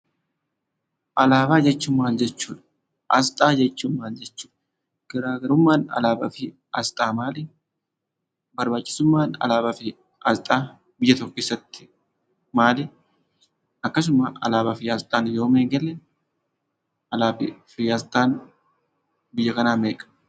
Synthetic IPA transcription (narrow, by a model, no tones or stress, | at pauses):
ʔɐlaːbaːd͡ʒɛt͡ʃːʊmːaːnd͡ʒɛt͡ʃːuːᶑ̪ɐ̥ | ʔɐst̪ʼaːd͡ʒɛt͡ʃːʊmːaːnd͡ʒɛt͡ʃːuːᶑ̪ɐ | ɡ̥ɐɾaːɡɐɾʊmːaːnɐ̰laːbɐfɪ | ɐst̪ʼaːmaːlɪ | bɐɾbaːt͡ʃʼːɪ̥sʊmːaːnɐ̰laːbɐfɪ | ɐst̪ʼaː | bɪjːɐt̪ɔkːeːsːɐt̪ːɪ̥ | maːlɪ | ɐkːɐs̬ʊmɐʔɐ̰laːbɐfɪɐst̪ʼaːnjo̞ːmeːŋɡɛlɛ | ɐlaːbɪfɪjɐst̪ʼaːn | bɪjːɐkɐnaːmeːkʼɐ̥